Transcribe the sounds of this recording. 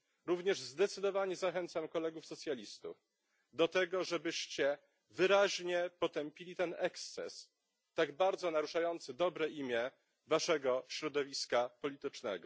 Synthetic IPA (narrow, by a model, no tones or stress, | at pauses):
ɾuvɲɛʐzd̪ɛt̪sɘd̪ɔvaɲɛzaxɛnt̪samkɔlɛɡufsɔt̪sʲjalʲist̪ṵf | d̪ɔt̪ɛɡɔʐɛbɘɕt͡ɕɛ | vɘɾaʑɲɛpɔt̪ɛmpʲilʲit̪ɛnɛkst̪sɛ̰s | t̪aɡbaɾd̪zɔnaɾuʂajɔnt̪sɘd̪ɔbɾɛʔimʲjɛ | vaʂɛɡɔɕɾɔd̪ɔvʲiskapɔlʲit̪ɘt͡ʂnɛ̰ɡɔ